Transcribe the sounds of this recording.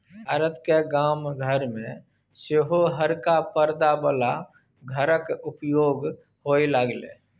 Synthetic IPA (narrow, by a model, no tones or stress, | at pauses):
bbʱaːɾət̪keɡaːmɡʱəɾmẽ | seɦoɦəɾkapəɾd̪abəla | ɡʱəɾəkʊpjoːɡ | ɦoiləɡlḛː